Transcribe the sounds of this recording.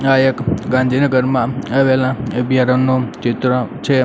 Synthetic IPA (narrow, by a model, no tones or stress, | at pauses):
ajekɡãnd̪ʱinəɡəɾmãaʋelãəbʱjaɾənːot͡ʃɪt̪ɾət͡ʃʰe